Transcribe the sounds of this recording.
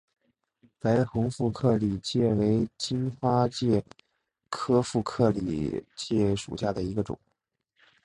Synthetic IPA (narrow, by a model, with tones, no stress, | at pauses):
t͡sa˧˥ɪxʊ˧˥ŋfu˥˧kʰɤ˥˩li˨˩t͡ɕjɛ˥˩we˧˥ɪt͡ɕi˥nxwa˥t͡ɕjɛ˥˩ | kʰɤ˥fu˥˧kʰɤ˥˩lḭ˨˩t͡ɕjɛ˥˩ʂṵ˨˩ɕja˥˩d̪ə˩i˧˥ɡə˧ʈ͡ʂʊ̰˨˩˦ŋ